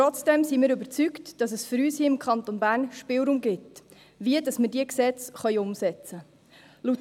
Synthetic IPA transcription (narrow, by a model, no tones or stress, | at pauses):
ɔt͡sd̥ɛmsimɪːɾɵbəɾt͡syktd̥ɑsəsfʏɾyːshiːɪmkʰɑntonbæːɾnʃpɪːlɾumɡɪt | ʋiədɑsmədiəksɛt͡sχœʏʊmsɛt͡sə | lut